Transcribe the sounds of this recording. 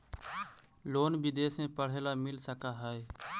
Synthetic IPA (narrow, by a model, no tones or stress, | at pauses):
loːnbɪd̪eːsẽpəɽ̤eːlamɪlsəkaɦɛe